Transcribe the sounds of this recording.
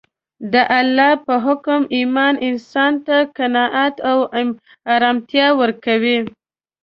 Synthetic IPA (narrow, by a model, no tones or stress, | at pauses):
d̪əʔalːɑpəɦʊkʊmimɑnʔɪnsɑnt̪akanɑʔat̪aw | ɑɾɑmt̪jɑwəɾkawi